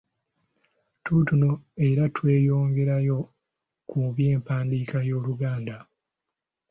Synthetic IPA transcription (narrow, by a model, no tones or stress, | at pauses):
tuːtunoe̞ɾatwe̞ːjo̞ːŋɡe̞ɾajo̞ | kuβje̞ːmpaːndiːkajo̞ːluɡaːnda